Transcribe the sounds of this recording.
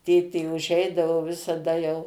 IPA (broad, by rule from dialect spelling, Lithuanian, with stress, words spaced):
ˈtʲeːtʲeː ʊˈʒʲɛɪdɐʋoː ʋʲɪsɐˈdɐ jɛʊ